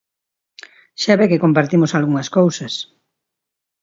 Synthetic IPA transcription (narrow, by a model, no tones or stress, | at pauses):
ʃaβekekompaɾt̪imosalɣuŋɐskowsɐs